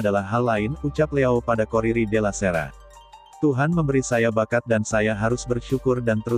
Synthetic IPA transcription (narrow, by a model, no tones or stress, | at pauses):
dalahɦalːaɪnut͡ʃap̚leawpadakoɾiɾidelaseɾa̰ | t̪uɦanməmbəɾisajabakat̪̚dansajaɦaɾʊsbərʃukʊrdant̪əɾu